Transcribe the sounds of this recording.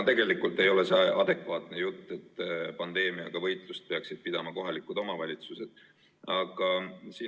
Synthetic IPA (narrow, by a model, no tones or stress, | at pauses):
t̪e̞ɡe̞likːˑult̪ːˑe̞jo̞le̞sɑʔɑd̪̥e̞kvɑːt̪ne̞jut̪ˑːe̞t̪ːˑpɑnd̪e̞ːmiɑ̰ɡ̥ɑvɤ̞jt̪ˑlust̪̚pe̞ɑksid̪̥̚pid̪ɑmɑko̞ɦɑlikːˑud̪̥o̞mɑvɑlʲit̪suse̞d̪̥ | ɑɡ̥ɑsiː